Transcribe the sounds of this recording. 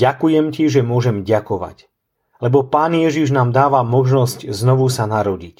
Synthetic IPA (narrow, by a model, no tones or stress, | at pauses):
akujɛmciʒɛmʊɔʒɛmɟakɔʋa̰c | lɛbɔpaːnjɛʒiʒnaːmd̪aːʋamɔʒnɔscznɔʋusanaɾɔɟic